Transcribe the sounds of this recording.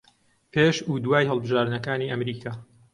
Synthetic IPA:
pʰeːʃuːd̪waːjɦəlˠbɨʒaːɾd̪nɐkaːniːʔɐmɾiːkʰaː

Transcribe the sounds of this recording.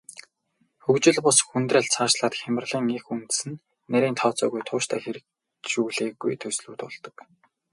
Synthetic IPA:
xɵkt͡ɕɪ̆ɮpʊsxunt̪ræ̆ːɮt͡sʰaːʃɮaːt̪xʲamə̆rɮiːŋixunt̪sɘ̆nː | æɾʲiːnt̪ʰɔːt͡sɔ̰ːɣujt̪ʰʊːʃt̪ʰæ̰ːxeɾɘ̆ | ʃuːɮeːɣṵjt̪ʰɵsɮṵːt̪ʊɮt̪ɞ̥̆k

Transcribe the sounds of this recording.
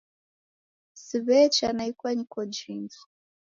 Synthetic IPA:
siβɛt͡ʃanaikwaɲikɔd͡ʒind͡zu̥

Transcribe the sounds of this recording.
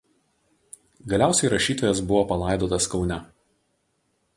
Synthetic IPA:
ɡɐlʲæˑʊsʲɛɪɾɐʃʲiːt̪oːjɛsbʊʋoːpɐlˠɑˑɪd̪oːt̪ɐskɒʊnʲɛ

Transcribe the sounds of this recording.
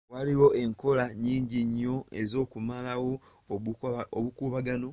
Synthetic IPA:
waliwo̞ʔe̞ŋko̞laɲiːɲɟiɲːo̞e̞zo̞ːkumalawo̞ | oβukuːβaɡano̞

